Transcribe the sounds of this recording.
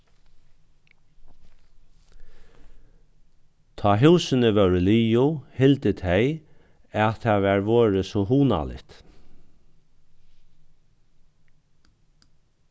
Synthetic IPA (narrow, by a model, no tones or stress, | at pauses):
t̪ʰɑːɦʉːsɪnəʋœʉɹəliːʊhɪlt̪ət̪ʰeɪ | æt̪ʰːæːʋæɹʋoːɹəsɔɦuːna̰lɪ̰t̪